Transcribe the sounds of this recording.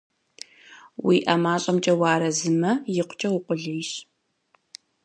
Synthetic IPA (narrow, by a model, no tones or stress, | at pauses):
wḭːʔamaːɕʼɐmt͡ʃʼɐwaːɾɐzɨmɐjɪqʷt͡ʃʼɐwʊqʷʼʊɮejɕ